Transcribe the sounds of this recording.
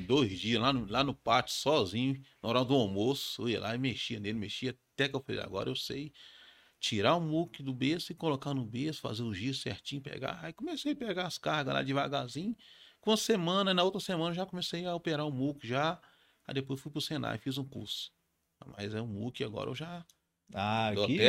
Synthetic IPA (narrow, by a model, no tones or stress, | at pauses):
d̪ojzd͡ʒiɐlanʊlanʊpat͡ʃʊ̥sɔzĩɲʊnoɾawd̪ʊomosʊ̥foiɐ̰lʔa̰ɪmeʃiɐnelɪmeʃiɐat̪ɛkɪewfalḛja̰ɡɔ̰ɾɐewsej | t͡ʃiɾaʊmukɪd̪ʊbesʊɪkolokanʊbesʊ̥fa̰zeʊʒiʊsḛɾt͡ʃĩɲʊpḛɡa̰ikõmesejɐpeɡaɐskahɡɐla̰d͡ʒɪvaɡazĩɲʊkõɐsemɐ̃nɐnɐowt̪ɾɐsemɐ̃nɐʊʒakõmesejɐopeɾaʊmukɪʒa | ad̪epojsfujpɾʊsẽna̰jfizũkṵɾsʊ̥ | ma̰jzɛʊ̃mṵkɪa̰ɡɔ̰ɾɐ̰ʔḛwʒa | aoɛ